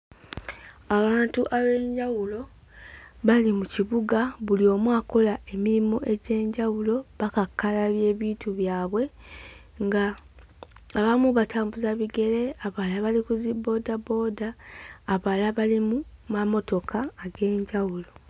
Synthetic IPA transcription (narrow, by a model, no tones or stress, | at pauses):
aβaːntuʔaβe̞ːɲɟawulo̞ | βalimuciβuɡaβulio̞ːmwaːko̞laʔe̞miɾimo̞ʔe̞ɟe̞ːɲɟawulo̞βakakːalaβje̞ːβiːtʰuβjaːβwe̞ | ŋɡaː | βamuβataːmbuzaβiɡe̞ɾe̞aβalaβalikuzibo̞ːdabo̞ːdaːβalaβalimumamo̞to̞kʰaːɡe̞ːɲɟawulo̞